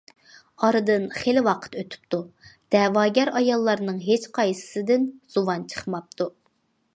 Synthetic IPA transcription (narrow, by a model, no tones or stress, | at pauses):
ɑɾɨd̪ɨnχelɪwɑqʰə̥t̪øt̪ʰy̥p̚t̪ud̪̥ɛwɑːɡʲæɾɑjɑlˠːɑɾnɨŋɦet͡ʃqʰɑjsɨ̥sɨd̪ɪnz̥uwɑnt͡ʃʰə̥χmɑp̚t̪ʰu